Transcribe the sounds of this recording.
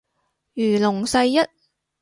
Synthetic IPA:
jyː˨˩lʊ˨˩ŋsɐ˧jːɐ˥t̚

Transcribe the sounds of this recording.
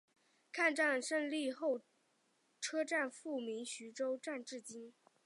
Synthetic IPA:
kʰa˥˧nʈ͡ʂa˥˧nʂə˥nli˥˧xo˥˩ʊ | ʈ͡ʂʰɤ˥ʈ͡ʂa˥˧nfu˥˩mi˧˥ŋɕy˧˥ʈ͡ʂo˥ʊʈ͡ʂa˥˧nʈ͡ʂɻ̩˥˩t͡ɕi˥n

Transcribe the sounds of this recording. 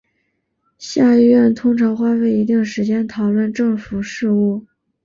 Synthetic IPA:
ɕja˥˧i˥˧ɥɛ˥˩nt̪ʰʊ˥ŋʈ͡ʂʰɑ˧˥ŋxwa˥˧we˥˩ɪi˧˥t̪̬i˥˩ŋʂɻ̩˧˥t͡ɕjɛ˥nt̪ʰɑ˨˩ʊlwə˥˧nʈ͡ʂɤ˥˩ŋfu˨˩ʂɻ̩˥˧u˥˩

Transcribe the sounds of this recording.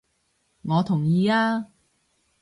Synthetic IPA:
ŋɔː˨˧t̪ʰʊ˨˩ŋjiː˨˧aː˧

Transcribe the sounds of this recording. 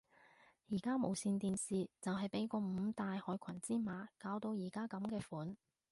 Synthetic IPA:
jiː˨˩kaː˥mo˨˩wsiː˧nt̪iː˨nsiː˨˧t͡sɐ˨wɦɐ˨jpe˨˥jkɔː˧m̩ː˨˧t̪aː˨jhɔː˨˥jkʷʰɐ˨˩nt͡siː˥maː˨˥kaː˨˧wt̪o˧wjiː˨˩kaː˥kɐ˨˥mkɛː˧fuː˨˥n

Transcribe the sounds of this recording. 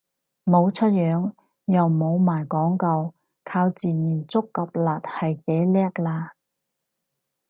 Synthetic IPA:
mo˨˧wt͡ʃʰɵ˥t̚jœː˨˧˥ŋ | jɐ˨wmo˨˧wmaː˨˩jkɔː˨˥ŋkɐ˧w | kʰaː˧wt͡siː˨niː˨˩nt͡sʊ˥kːɐ˨p̚laː˨t̚hɐ˨jke˨˥jlɛː˥k̚laː˧

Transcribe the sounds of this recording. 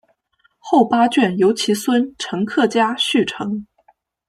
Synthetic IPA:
xo˥˩ʊpa˥t͡ɕɥɛ˥˩njo˧˥ʊt͡ɕʰi˧˥swə˥nʈ͡ʂʰɤ˧˥ŋkʰɤ˥˩t͡ɕja˥ɕy˥˩ʈ͡ʂʰɤ˧˥ŋ

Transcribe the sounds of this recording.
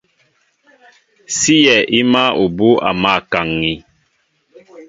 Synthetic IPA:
si˦jɛ˨ʔi˦ma˦o˨bu˦a̰˨ma˦˨ka˨ŋːi˨

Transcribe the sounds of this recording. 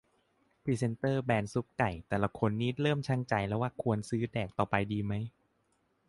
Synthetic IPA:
pʰiː˧˩se˧nt̪ɤː˥˩bɛː˧nsu˦˥p̚ka˨˩jt̪ɛː˨˩la˧˩kʰo˧nːiː˦˥ɾɤː˥˩mt͡ɕʰa˦˥˩ŋt͡ɕa˧jlɛː˦˥waː˥˩kʰu˧ənsɯː˦˥dɛː˨˩k̚t̪ɔː˨˩pa˧jdiː˧ma˦˥j

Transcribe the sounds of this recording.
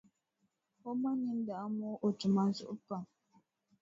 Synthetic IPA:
o˦ma˦ni˦n̩˦da˨a˦mɔ˦ʔo˨tu˨ma˨n̩˦zʊ̰˨ʔpa˨

